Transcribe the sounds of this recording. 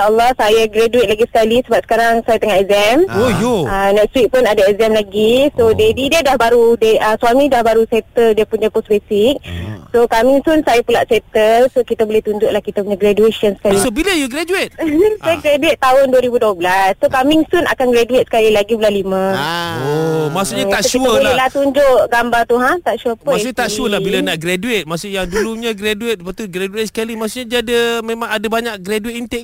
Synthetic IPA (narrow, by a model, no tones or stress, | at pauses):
ʃaəlːɔhsajaɡɾaduet̪̚laɡisə̥kalisəbap̚sə̥kaɾaŋsajat̪əŋaɛkzɛmojoənɛk̚st̪wik̚pʊnadaɛzɛmlaɡisodedidədahbaɾudeʔəswamidahbaɾusɛt̪ədiəpuɲaposbesik̚sokamiŋsunsajapula̰ʔset̪əsokit̪abolɛht̪uɲd͡ʒʊʔlahkit̪apuɲaɡɾadueʃənsə̥kalisobiləjuɡɾad͡ʒuet̪̚ajaɡɾaduet̪̚ːaɦʊnduəɾibuduəblasːokamiŋsuna̰kanɡɾaduet̪̚sə̥kalilaɡibulanlimə̃omasuʔɲat̪aʔʃiuəbollɛlaht̪uɲd͡ʒʊʔɡambart̪uɦat̪aʔsuəpəmasut̪aʔsuəlahbilanaʔɡɾaduet̪̚masuʔjaŋduluɲaɡɾaduet̪̚pat̪uɡɾaduet̪̚skalimasuʔɲadadamẽmãŋadabaɲak̚ɡɾaduit̪int̪ɛk